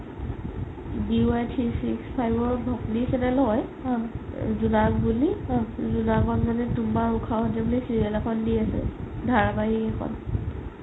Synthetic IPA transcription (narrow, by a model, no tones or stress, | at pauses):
diuajtʰisikspʰajbɔɹbʱɔplisɛnɛlɦɔj | zunakbulizunaɡɔnzanɛtumaɹukʰaɦɔtɛbulisiɹiɛlɛkʰɔndiasɛ̰dʱaɹabajiɛkʰɔ̰n